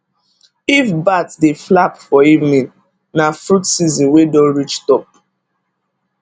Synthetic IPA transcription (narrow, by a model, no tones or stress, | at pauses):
ifbatdeflapfɔivnĩn | nafɾutsizĩnwedɔ̃nɹit͡ʃtɔp̚